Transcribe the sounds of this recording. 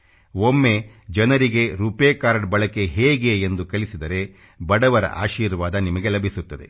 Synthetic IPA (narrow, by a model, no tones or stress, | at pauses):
omːe | d͡ʒɐnɐɾiɡe̞ɾupeːkaːɾɖbɐɭɐkeɦeːɡeːnd̪ukɐlisid̪ɐɾe̞ | bɐɽɐʋɐɾɐ̰ʔa̰ːʃiːɾʋaːd̪ɐnimɐɡe̞lɐbʱisut̪ːɐd̪e̞̰